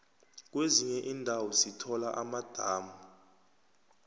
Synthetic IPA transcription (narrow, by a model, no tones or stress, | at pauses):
k̬ʼweziɲɛʔiːndʱawɔsitʰɔlaʔamad̥ʱaːmu